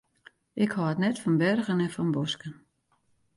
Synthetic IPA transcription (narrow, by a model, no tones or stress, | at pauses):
ʔɪkhɔətnɛtfɔnbɛrɣənɛnfɔnbɔskən